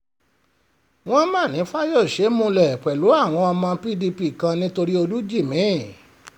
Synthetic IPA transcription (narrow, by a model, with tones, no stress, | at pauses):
w̃ɔ̃˦mãː˦˨nĩ˨˦fa˦jo˦˨ʃe˨˦mũ˧lɛ˦˨k͡pɛ˨lu˨˦a˦˨w̃ɔ̃˧ɔ˧mã˧pi˦di˧pi˧˨kã˧nĩ˦to˧ɾi˦o˧lu˦d͡ʒi˦˨mĩ˨˦˨